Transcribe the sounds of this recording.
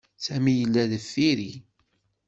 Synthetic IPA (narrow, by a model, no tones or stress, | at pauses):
sæmijəlːæðθːiɾi